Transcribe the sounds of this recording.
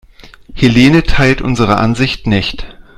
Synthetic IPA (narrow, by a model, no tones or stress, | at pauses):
heleːnətʰaɪltʔʊ̰nzəʁ̞əʔa̰nzɪçtnɪçt